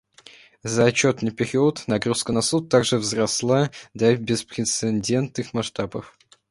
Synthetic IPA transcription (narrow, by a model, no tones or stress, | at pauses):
zəɐt͡ɕːot̪nɨjpʲɪɾʲiʊt̪nɐɡɾuskənɐsut̪ːaɡʐɨvzrɐslˠad̪ɐbʲɪspɾʲɪt̪sɨnʲdʲe̞nt̪nɨxmɐʂt̪abəf